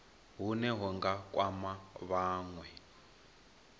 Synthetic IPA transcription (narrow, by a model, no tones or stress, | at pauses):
ɦunɛɦɔŋɡakʼwamaβaːŋwɛ